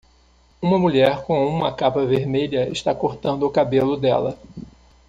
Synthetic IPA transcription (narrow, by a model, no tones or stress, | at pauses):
ũmɐmuʎɛɾkõũmɐkapɐveɾmeʎɐɪ̰ʃt̪akoɾt̪ɐ̃nd̪ʊːkabelʊd̪ɛ̰lɐ